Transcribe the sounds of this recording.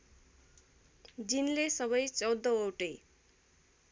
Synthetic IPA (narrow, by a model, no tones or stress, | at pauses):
d͡zinlesʌβʌjt͡sʌwd̪ːʌowʈe